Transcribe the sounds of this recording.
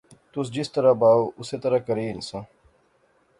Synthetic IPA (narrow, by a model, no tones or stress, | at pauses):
t̪ʊsd͡ʒɪst̪əɾabaːoːʔʊset̪ɐɾakɐɾiːnsãː